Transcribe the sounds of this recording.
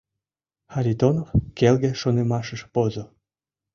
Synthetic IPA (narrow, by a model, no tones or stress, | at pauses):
xaɾʲit̪onofkelɡeʃonemɑʃəʃpozo